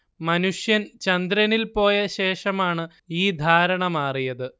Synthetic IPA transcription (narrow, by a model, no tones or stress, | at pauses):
mɐnuʂjɐnt͡ɕɐnd̪ɾɐnilpo̞ːjɐɕe̞ːʂɐmaːɳɨ | iːd̪ʱaːɾɐɳɐmaːrijɐðɨ